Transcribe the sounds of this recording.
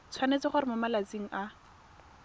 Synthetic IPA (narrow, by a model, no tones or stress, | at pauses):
t͡sʰwanet͡sɪχʊɾɪmamalat͡siŋ̩ʔa